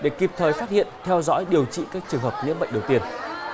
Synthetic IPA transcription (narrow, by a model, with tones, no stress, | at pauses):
ɗe˧˩ki˨˩p̚t̪ʰəː˨˩jfaː˦˥t̚hḭ˧˨ənt̪ʰɛ˧wzɔ̰˧˥jɗi˨˩əwt͡ɕḭ˧˨kaː˦˥k̚t͡ɕɨ˨˩əŋɦəː˨˩p̚nḭ˧˥mɓə̰˧˨ŋ̟ɗə˨˩wt̪i˧˩ən